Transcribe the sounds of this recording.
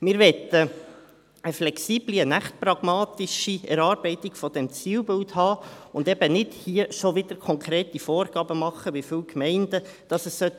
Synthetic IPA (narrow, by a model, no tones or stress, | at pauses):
mɪɾʋɛt̪ə | əflɛksiːb̥liənæχt̚prɑɡ̥mɑːt̪iʃiɛɾɑːɾbɛɪt̪iɡ̥fɔd̥̪ɛmt͡siːwbɪlthɑːʊndɛbənɪdhiəʃoʋɪd̥əɾkʰɔŋkɾeːtifoːrɡ̥ɑːbəmɑχːəʋifʏwkmɛɪndə | d̥ɑsəsːœt